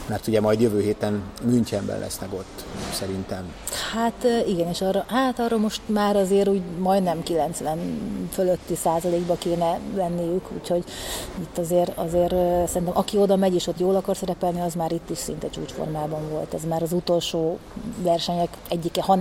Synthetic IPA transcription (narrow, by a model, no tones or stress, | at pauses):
mɛrt̪uɟɛmɒjd̪jøvøːɦeːt̪ɛnmynt͡ʃɛmbɛ̰nlʔɛ̰snɛɡo̞t̪ːsɛɾint̪ɛm | hat̪ːiɡɛneːʃɒrɒhat̪ɒrːomo̞ʃt̪maːɾɒzeːɾuːɟmɒjd̪nɛmkilɛnt̪slɛnføløt̪ːisaːzɒleːɡbɒkeːnɛlɛnːijykṵːcho̞ɟit̪ːɒzeːɾɒ̰zeːɾøsɛɾrint̪ɛmʔɒkio̞d̪ɒmɛɟeːʃo̞t̪joːlɒkɒrsɛɾɛpɛlniɒzmaːɾit̪ːiʃsḭnt̪ɛt͡ʃṵːt͡ʃfo̰rmaːbɒɱvo̞lt̪ɛzmaːɾɒzut̪o̞lʃoːvɛrʃɛɲɛkɛɟːikɛhɒn